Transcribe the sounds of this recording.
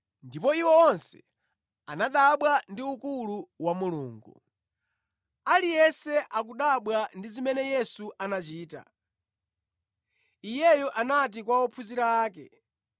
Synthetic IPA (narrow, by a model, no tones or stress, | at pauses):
ndipɔiwɛɔnsɛ | a̰naɗaɓwandiukuluwamuluːŋɡu | alijɛsɛʔak̬uɗaɓwandizimɛnɛjɛsuʔanat͡ʃiːta̰ | ijɛjɔʔanat̬ikwaɔpʰuziɾaːk̬ɛ̰